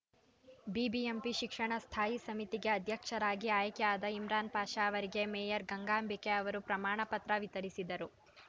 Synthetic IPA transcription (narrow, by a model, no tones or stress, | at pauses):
bibiempiʃikʂɐɳɐst̪ʰaːjisɐmit̪iɡe̞ɐd̪ʱjɐkʂɐɾaːɡiaːjɐkjaːd̪ɐimɾaːnpaːʃaɐʋɐɾiɡe̞meːjɐɾɡɐŋɡaːmbʱike̞ɐʋɐɾupɾɐmaːɳɐpɐt̪ɾɐʋit̪ɐɾisid̪ɐɾu